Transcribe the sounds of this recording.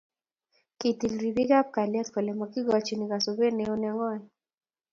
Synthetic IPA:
ki˨t̪i˨lɾi˨bi˦ɡa˦p̚ka˨lɛ˦t̪kɔ˨lɛ˨ma˨ki˦ɡɔ˨t͡ʃi˨ni˨ka˨so˨be˦ne˨o˦nɛ˦ŋɔ˦j

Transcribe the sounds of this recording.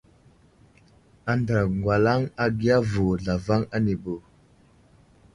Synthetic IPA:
a˨ndɾa˨ŋɡwa˨la˦ŋa˦ɡi˦a˦vu˨ɮa˨va˦ŋa˦ni˨bo˨

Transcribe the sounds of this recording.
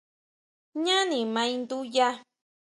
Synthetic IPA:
ɲã˦nĩ˨mã˧ĩ˧nd̪u˦ja˦

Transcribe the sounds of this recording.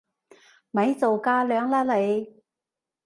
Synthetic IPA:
mɐ˨˥jt͡so˨wkaː˧˥lœː˨˧ŋlaː˥le˨˧j

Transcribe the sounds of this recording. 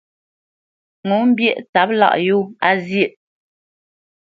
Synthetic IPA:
ŋo˨˦m̩˦bjɛ˦ʔta˨˦p̚la̰˦˨ʔju˦˨a˦zjə˦˨ʔ

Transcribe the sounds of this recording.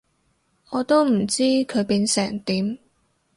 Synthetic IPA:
ɔː˨˧t̪o˥wm̩˨˩t͡siː˥kʰɵ˨˧ɥpiː˨˧nsɛː˨˩ŋt̪iː˨˥m

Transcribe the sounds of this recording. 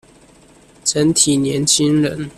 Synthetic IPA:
ʈ͡ʂə˧˦nt̪ʰi˨˩njɛ˧˦nt͡ɕʰi˥ŋɻə̰˧˦n

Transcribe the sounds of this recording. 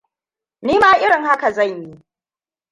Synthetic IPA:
niː˦maː˦ʔɪ˦ɽɪ˨ŋha˦ka˨zɐ˦˨ɲji˦ʔ

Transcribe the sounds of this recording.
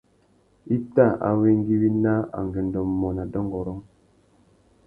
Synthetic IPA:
i˦ta˦˨ʔa̰˨we˦ŋ˦ɡi˦wi˦na˦a̰˨ŋ˨ɡe˨n˨dɔ˨mmɔ˨na˨dɔ˦ŋɡɔ˨ɾɔ˦ŋ

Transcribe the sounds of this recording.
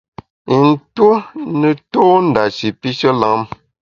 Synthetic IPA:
i˨n̩˦two˦nə˨toː˦n̩˨da˨ʃi˨pi˦ʃə˦la˨˦m

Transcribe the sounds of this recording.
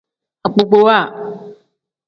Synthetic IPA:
a˨k͡po˨ɡ͡bo˦wa˦˨

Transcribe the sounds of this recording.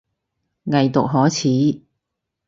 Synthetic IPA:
ŋɐ˨jt̪ʊ̰˨k̚ɦɔː˨˥t͡sʰiː˨˥

